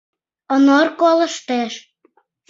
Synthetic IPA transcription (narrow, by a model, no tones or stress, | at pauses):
ənorkolə̆ʃt̪eʃ